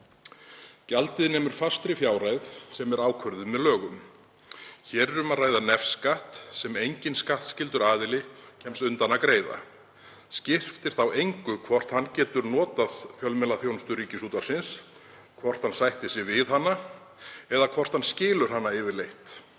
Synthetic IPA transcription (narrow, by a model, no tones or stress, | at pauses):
calt̪ɪðnɛːmʏɾ̥fast̪ɾɪfjaːwrajðsɛmɛɾaːwkʰœɾðʏmɛðlœːɣʏm | çɛːɾɛɾʏmaðraːjðanɛfskaht̪sɛmejɲcɪnskaht̪scɪlt̪ʏɾaːðɪlɪcʰɛmst̪ʏnt̪anakɾeːjða̰ | scɪr̥ft̪ɪɾ̥θawejŋkʏkʰvɔr̥t̪hanːcɛːt̪ʏɾnɔːt̪aðfjœlmɛlaθjownst̪ʏɾiːcɪsuːt̪aɾ̥sɪns | kʰvɔr̥t̪hansajht̪ɪsjɛvɪðhanːa | ɛðakʰvɔr̥t̪hanscɪːlʏɾ̥ɦanːaɪvɪɾlejht̪